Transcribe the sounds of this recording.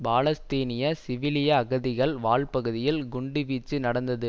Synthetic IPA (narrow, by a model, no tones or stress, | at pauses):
baːlɐst̪eːnɪjɐsɪʋɪlɪjaːɣɐðɪɣɐɭʋaːɭpɐɣɯðɪjɪlɡʊɳɖɯʋiːt͡ʃːɯnɐɽɐnd̪ɐðɯ